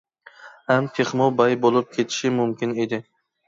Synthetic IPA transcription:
hamt̪ʰeχmɔbajbolˠɪp̚kʲʰe̞t̪ʰɪ̥ʃɪmʊmkʲʰɪne̞d̪ɪ

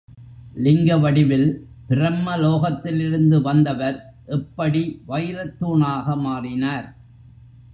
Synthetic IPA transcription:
lɪŋɡɐʋɐɽɪʋɪl | pɪrɐmːɐloːɣɐt̪ːɪlɪɾɯnd̪ɯʋɐnd̪ɐʋɐɾ | ʔɛpːɐɽiʋɐjɾɐt̪ːuːɳaːɣɐmaːrɪnaːɾ

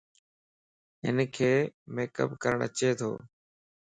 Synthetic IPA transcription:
ɪ̰nkʰeːmeːkə̰pkəɾəɳə̰t͡ʃeːt̪ʰo̰ː

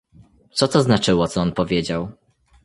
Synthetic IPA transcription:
t̪sɔt̪ɔznat͡ʂɘwɔt̪sɔɔnpɔvʲjed͡ʑaw

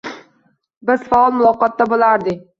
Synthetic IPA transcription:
bɪzfaɒlˠmʊlˠɒqɒt̪ːabolˠaɾd̪ɪ

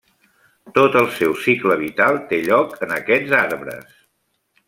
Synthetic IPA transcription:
t̪ot̪əlˠsɛwsikləβit̪alˠt̪eʎɔkənəkɛd͡zaɾβɾə̰s

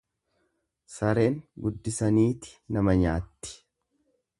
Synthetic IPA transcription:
sɐɾe̞ːŋɡʊd̪ːɪsɐniːt̪ɪ̥nɐmɐɲaːt̪ːɪ̥

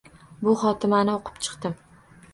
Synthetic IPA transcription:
bʊχɒt̪ʰɪmanɪoqʰɨ̥pt͡ʃʰɨ̥qt̪ɪm

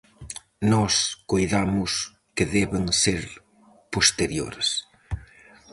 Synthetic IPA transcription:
nɔskojðamʊs | kɪðɛβɪŋseɾ | post̪eɾjo̰ɾs

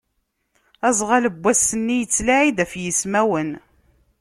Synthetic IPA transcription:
æzˤʁaləbʷːæsːənːijət͡sːlaʕid̪æfjəsmæwən

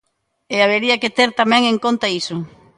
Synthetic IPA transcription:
eaβeɾiɐket̪eɾt̪amɛ̃ŋeŋkont̪aisʊ

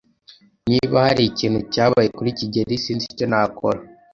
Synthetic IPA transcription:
niβahaɾiciːnhucaːβajekuɾiciɟe̞ɾisiːnsiconakʰo̰ɾa

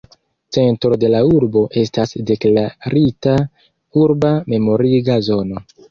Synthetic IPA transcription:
t͡se̞ntɾo̞de̞lauɾbo̞ʔe̞stasde̞klaɾita | uɾbame̞mo̞ɾiɡazo̞no̞

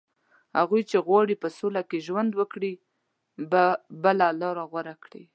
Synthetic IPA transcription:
ha̰ɣujt͡ʃeɣwɑɽipəsolakeʒwand̪wəkɽi | bəlalɑɾaɣwaɾakɽi

